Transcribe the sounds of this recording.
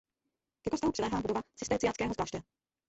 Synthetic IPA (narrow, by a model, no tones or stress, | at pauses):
kɛkost̪aɦuprɛlɛːɦaːbudovat͡sɪst̪ɛːt͡sɪjant͡skɛːɦozvlaːʃt̪ɛ